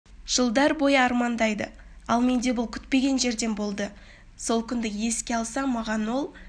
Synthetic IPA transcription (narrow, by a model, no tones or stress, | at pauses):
ʒ̥əlˠd̪ɑɾbo̞jəɑɾmɑnd̪ɑjd̪ə̰ | ɑlˠme̞nd̪e̞bʊlˠkʲʰʏ̥t̪pe̞ɡʲe̞nʒe̞ɾd̪e̞nbo̞lˠd̪ə | so̞lˠkʲʰʏnd̪ɪje̞skʲe̞ɑlˠsɑmɑʁɑnwo̞lˠ